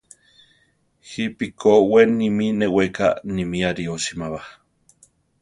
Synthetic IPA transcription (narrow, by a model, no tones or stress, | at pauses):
hipikʰowenːimineweka̰nimiaɾioʃimaβa